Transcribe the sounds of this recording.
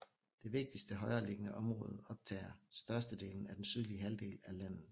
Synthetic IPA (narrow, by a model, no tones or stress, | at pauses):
d̥e̝ʋe̝ɡ̥̚d̥isd̥əɦɒ̽ɪɐːle̝ɡ̥ənəʔɒ̽mʁɔ̽ːð̩ˠɒ̽b̥̚t͡sʰɛ̰ːɐsd̥ɶɐsd̥əd̥e̝̰ːln̩æd̥ensyð̞ˠliəɦæld̥e̝̰ːlælæn̰ð̩ˠ